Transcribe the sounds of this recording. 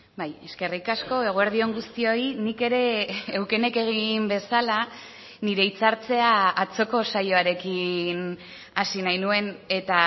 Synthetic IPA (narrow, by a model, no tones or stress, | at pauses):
baje̞ske̞rikasko̞e̞ɣ̞oeɾð̞io̞ŋɡust̪io̞inike̞ɾe̞ːwke̞ne̞ke̞ɣ̞imbe̞sala | niɾe̞it͡saɾt͡se̞aːt͡so̞ko̞sajo̞aɾe̞kin | asinajnue̞ne̞t̪a